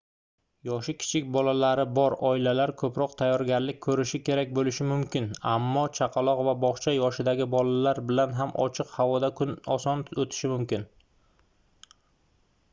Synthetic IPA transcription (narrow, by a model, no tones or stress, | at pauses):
jɒʃɪkʲʰɪ̥t͡ʃʰɪkʲbɒlalaɾɪbɒɾɒɪlalaɾkʰɵpɾɒqt̪ʰajːɒɾɡʲaɾlɪk̚ʲkʰːɵɾɪʃɪkʲe̞ɾak̚ʲbolɪʃɪmʊmkʲɪnamːɒt͡ʃʰaqʰɑlˠɒqvabɒχt͡ʃʰajɒʃɪd̪aɡʲɪbɒlalaɾbɪlanɦamʔɒ̰t͡ʃʰɨqhavɒd̪akʰʊnɒsɒnot̪ʰɪ̥ʃɪmʊmkʲɪn